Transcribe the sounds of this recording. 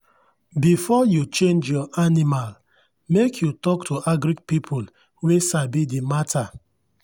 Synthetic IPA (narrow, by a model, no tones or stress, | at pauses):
bifɔjut͡ʃẽnd͡ʒjɔʔanimal | mekʰjutɔktʰuʔaɡɾik̚pipʰul | wesabidimatʰa